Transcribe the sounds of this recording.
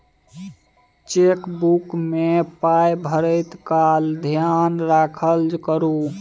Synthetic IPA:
t͡ʃekbukmepajbʱəɾəɪt̪kald̪ʱjanɾakʰəld͡ʒkəɾu

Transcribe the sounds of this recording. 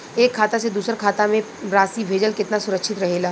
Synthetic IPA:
eːkʰːaːt̪ased̪uːsəɾkʰaːt̪amẽ | ɾaːsibʱeːd͡ʒəlkɪt̪nasʊɾəkʃʰɪt̪ɾɐɦeːlaː

